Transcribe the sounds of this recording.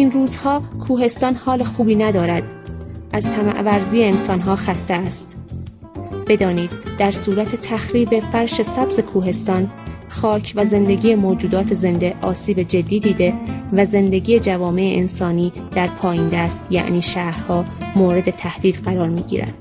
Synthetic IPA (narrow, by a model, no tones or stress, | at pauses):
ʔinruːzhɒːkʰuːhe̞st̪ɒːnhɒːle̞xuːbiːnæd̪ɒːɾæd̪ʔæzt̪ʰæmæ̰ʔvæɾziːeːnsɒːnɦɒːxæst̪e̞æst̪ | b̥e̞d̪ɒːniːd̪̥̚d̪æɾsuːɾæt̪ʰe̞t̪ʰæxɾiːbe̞fæɾʃe̞sæbze̞kʰuːɦe̞st̪ɒːn | xɒːcʰvæze̞nd̪e̞ɟiːjemoːd͡ʒuːd̪ɒːt̪ʰeze̞nd̪e̞ʔɒːsiːbe̞d͡ʒe̞d̪ːiːd̪iːd̪e̞væze̞nd̪e̞ɟiːjed͡ʒævɒːme̞eʔensɒːniː | d̪̥æɾpʰɒːjiːnd̪æst̪jæ̰ʔniːʃæːhɾhɒːmoːɾe̞d̪e̞t̪ʰæhd̪̥iːd̪̥ɢæɾɒːɾmiːɟḭːɾæ̰d̪̥